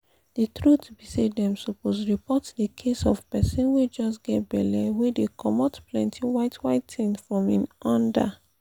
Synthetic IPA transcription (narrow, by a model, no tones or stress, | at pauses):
d̥itɹutbisedɛ̃msuposɹipɔtdikʰesɔv̥pɛsɔ̃nwed͡ʒɔsɡɛt̚bɛlɛwedekʰɔmɔtplɛ̃ntʰiwaɪtwaɪtĩnfɹɔ̃mĩnɔ̃nda̰